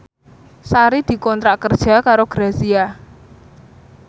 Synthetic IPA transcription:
saɾid̪̥i̤kɔnt̪ɾakərd̥ʒ̥a̤kaɾoɡ̥ɾasia

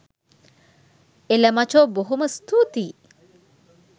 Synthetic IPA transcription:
eləmat͡ʃoːboɦuməst̪uːt̪iː

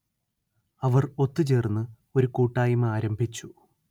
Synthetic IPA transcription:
ɐʋɐro̞t̪ːɨt͡ɕe̞ːrnːɨ | o̞ɾukuːʈːaːjimaːɾɐmbʱit͡ɕːu

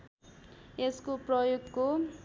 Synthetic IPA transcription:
eskoprʌjoɡko

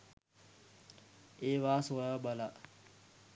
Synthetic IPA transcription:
eːʋaːsoɾabala

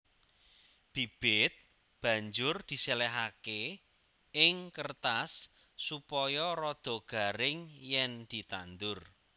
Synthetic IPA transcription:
b̥i̤b̥ɪt̪̚ | b̥ä̤ɲd͡ʒʊrd̪̥i̤selɛɦake | ɪŋkərt̪asː | upɔjɔrɔd̪̥ɔ̤ɡ̥a̤ɾɪŋjɛnd̪̥i̤t̪and̪ʊr

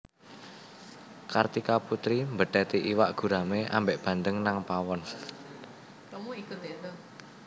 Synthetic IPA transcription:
kart̪ikaput̪ɾimbəɖ̥ɛt̪iʔiwaʔɡ̥ṳɾameʔa̰mbeʔb̥a̤nd̪əŋnaŋpawɔn

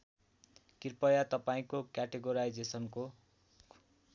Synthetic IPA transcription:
kirpʌjat̪ʌpaĩkokjaʈeɡoɾajd͡zesʌnko

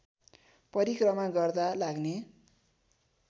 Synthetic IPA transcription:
pʌɾikrʌmaɡʌrd̪alaɡne

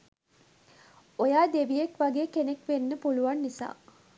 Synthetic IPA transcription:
ojaːd̪eʋijekʋaɡeːkenekʋenːəpuluʋanːisa̰ː

